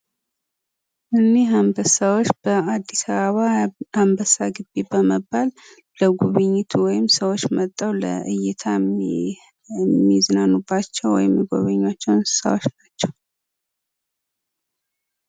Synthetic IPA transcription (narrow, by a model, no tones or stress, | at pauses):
ʔɨnːeɦambəsawot͡ʃːb̥əad̪ːisaβəβahambəsaɡɨbːebəməbːal | ləɡuβɨɲːɪt̪ʰuwɔjɪmsəwot͡ʃːmət̪ʼːawlə̰ʔɨjɪt̪ʰa | mːiznanːubːat͡ʃːɛwwɔ̰jɪmːjiɡo̞̰βɨɲːat͡ʃːɛwnsɨ̥sa̰wot͡ʃnat͡ʃːɛw